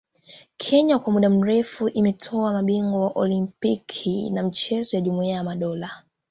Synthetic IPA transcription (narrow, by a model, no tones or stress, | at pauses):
kʰɛɲakwamuɗam̩ɾɛfuʔimɛtʰɔamaɓiŋɡɔwaʔɔlimpikʰḭnam̩t͡ʃɛzɔjaʄumuiajamaɗɔla